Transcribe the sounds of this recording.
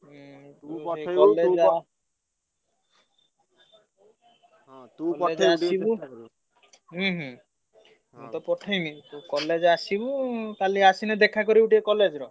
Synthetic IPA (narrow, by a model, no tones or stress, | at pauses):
kɔled͡ʒa | k̪ɔed͡ʒaibu | ɦɦũ | mut̪ɔpɔʈʰɔjmit̪ukɔled͡ʒasibukaliasinɛd̪ekʰakɔɾibuʈiekɔled͡ʒɾɔ